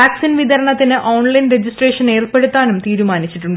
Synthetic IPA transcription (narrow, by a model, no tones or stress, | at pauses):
aːksinʋid̪ɐɾɐɳɐt̪ːinɨʔoːɳlɐjnred͡ʑisʈreːʂɐne̞ːrpe̞ɽut̪ːaːnumt̪iːɾumaːnit͡ɕːiʈːuɳ